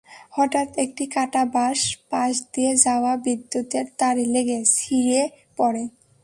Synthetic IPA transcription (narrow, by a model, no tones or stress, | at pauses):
hɔʈat̪ek̚ʈikaʈabaʃpaʃd̪ied͡ʑaoabid̪ːjut̪eɾt̪aɾileɡesiɾe | pɔɾe